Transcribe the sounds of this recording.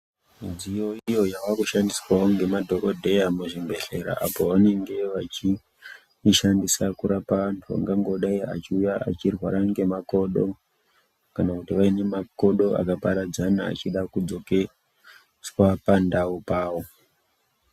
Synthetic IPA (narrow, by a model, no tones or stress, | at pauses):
md͡zijoijo̞jaʋakuʃandiswawoŋɡe̞madʱo̞ko̞dʱe̞jamuʐimbe̞ɬe̞̰ɾa̰ʔa̰po̞ʋane̞ŋɡe̞ʋat͡ʃi | ʃandisakuɾapaʋantʰua̰ŋɡaŋɡo̞ɗaia̰t͡ʃiujaʔa̰t͡ʃirwaɾaŋɡe̞mako̞ɗo̞̰ | kanakutiʋaine̞mako̞ɗo̞a̰kapaɾad͡zana̰ːt͡ʃiɗakud͡zo̞ke | swapandaupaːwo̞